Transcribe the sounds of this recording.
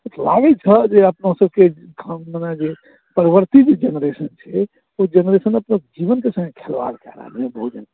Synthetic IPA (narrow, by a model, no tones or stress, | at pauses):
ut̪ʰla̰ɡɛt͡ʃʰəd͡ʒeəpnəɦsəbke | kʰmenad͡ʒe | pəɾəβəɾt̪id͡ʒed͡ʒenɾesənt͡ʃʰɛ | od͡ʒenɾesənəpnəd͡ʒiβənkesə̃ŋɡekʰelʋa̰ɾkɛ̰ɾa̰ɦlebəɦud͡ʒan